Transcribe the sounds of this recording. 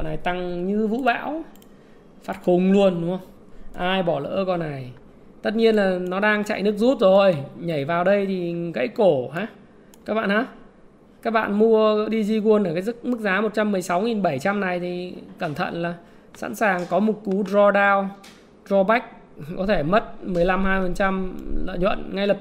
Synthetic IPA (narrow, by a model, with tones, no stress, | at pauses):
ɔ̰˧˨na˨˩jt̪a˧ŋɲɨ˧vṵ˧˥ɓa̰ː˧˥w | faː˨˩t̚xʊ˨˩ŋ͡mlu˧ənɗʊ˨˦hə˧wŋ͡m | ʔaː˧jɓɔ˧˩lə̰ː˧˥kɔ˧˩nːa˨˩j | t̪ə˦˥t̚ɲi˧ənlaː˨˩nɔ˨˦ɗaː˧ŋt͡ɕa̰˧˨jnɨ˦˥ək̚zu˦˥t̚zo˨˩jɲa˧˩jvaː˨˩wɗə˧jt̪ʰi˨˩ɣə̰˧˥jko˧˩ɦaː˨˦ | kaː˦˥k̚ɓa̰ː˧˨nhaː˨˦ | kaː˦˥k̚ɓa̰ː˧˨nmu˧əɗi˧zi˧ku˧ənʔəː˧˩kaː˨˦jzɨ˦˥k̚mɨ˦˥k̚zaː˨˦mo˨˩t̚t͡ɕa˧mːɨ˨˩əjsa˨˦wŋi˨˩nɓə˧˩jt͡ɕa˧mna˨˩jt̪ʰi˨˩kə˧˩mt̪ʰə̰˧˨nlaː˨˩ | sa̰˧˥nsaː˨˩ŋkɔ˨˦mʊ˨˩t̚ku˨˦zɔ˧ɗaː˧w | zɔ˧ɓa˦˥k̚ | kɔ˨˦t̪ʰe˧˩mə˦˥t̚mɨ˨˩əjla˧mhaː˧jfə˨˩nt͡ɕa˧mlə̰ː˧˨ɲwə̰˧˨nŋa˧jləː˨˩p̚